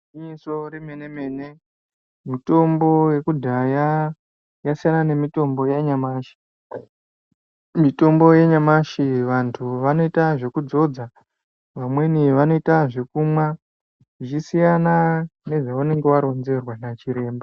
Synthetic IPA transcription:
iɲiso̞ɾemene̞me̞ːne | mito̞mbo̞je̞kudʱaja | jasijanane̞mito̞mbo̞jeɲamaːʃi̥ | mito̞mbo̞jeɲamaʃiʋantʰuʋano̞itaʐe̞kud͡zo̞d͡za | ʋamwe̞niʋano̞itaʐe̞kumwa | ʐit͡ʃisijanane̞ʐaane̞ŋɡe̞ʋaɾo̞nd͡ze̞rwanat͡ʃiɾe̞ːmba

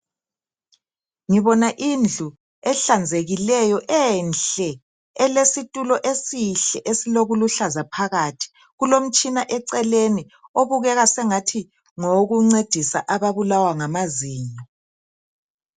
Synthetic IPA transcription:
ŋiβɔnaʔind͡ɮʱu | ɛɬand͡zʱeɣilɛjɔʔɛnɬɛ | ɛlesitʼulɔʔesiɬɛʔesiloɣuluɬazapʰaɣatʰi̥ | ɣulom̩t͡ʃʼinaʔɛǀɛleni | oβuɣɛɣasɛŋatʰi | ŋoɣuŋ͡ǀed̥ʱisaʔaβaβulawaŋamaziːɲɔ

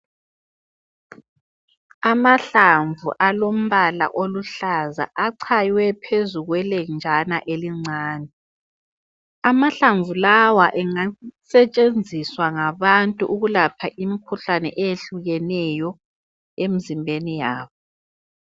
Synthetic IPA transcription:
amaɬaɱvʱṵʔalom̩βala̰ʔoluɬaza̰ʔaǀʰajwɛpʰezuɣwɛlɛnd͡ʒʱanaʔeliŋ͡ǀʱaːnɛ | amaɬaɱvulawaʔɛŋasɛt͡ʃʼend͡zʱiswaŋaβantʼuʔuɣulapʰaʔimikʰuɬanɛ̰ʔɛjeɬuɣɛnɛjɔ | emizimbʱenijaːβɔ

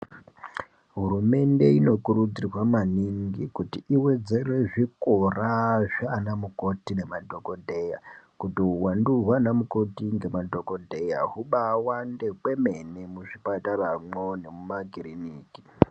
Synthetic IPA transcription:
ɦurume̞nde̞ino̞kuɾud͡zirwamaniŋɡikutiʔiwe̞d͡ze̞re̞ʐikoraʐaːnamuko̞tine̞madʱo̞ko̞dʱe̞jakutiɦuwanduɦwanamuko̞tiŋɡe̞madʱo̞ko̞dʱe̞ja̰ɦuɓawande̞kwe̞me̞nemuʐipataramwone̞mumaɡiriniːki

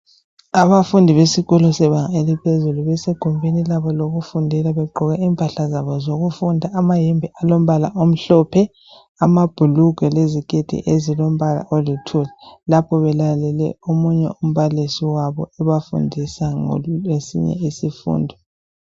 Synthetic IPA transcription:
aβafundʱiβesiɣɔlusɛβaŋaelipʰezuluβɛseɡ̥ʱumbʱenilaβɔloɣufundʱilaβɛɡ͡ǃʱɔɣɛiːmpʰʼaɬazaβɔzoɣufundʱaːmajɛmbʱɛʔalom̩βalaʔom̩ɬɔːpʰɛ | amab̥ʱuluɡ̥ʱɛleziɡ̥ʱed̥ʱḭʔezilom̩βala̰ʔolitʰulɛlapʰɔβɛlalɛlɛ̰omuɲɛ̰um̩βalisiwaβɔ̰ɛβafṵndʱisaŋɔ̰esḭɲɛ̰isifṵːndʱi

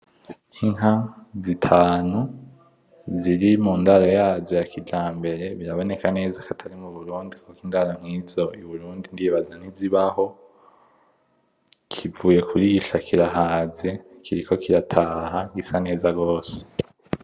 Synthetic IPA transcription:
inɦazitʰaːnu | ziɾimuːndaɾajaːzjo̞jakʰid͡ʒaːmbe̞ɾe̞βiɾaβo̞ne̞kane̞ːzakatʰaɾimuβuɾuːndikokiːndaɾam̥ŋiːzo̞iβuɾuːndindiβazan̥iziβaho̞ | kʰivuːje̞kuɾiɡiʃakʰiɾaɦaːzi | kʰiɾikʰo̞kiɾatʰaːɦaɡisane̞ːzaɡo̞ːse̥

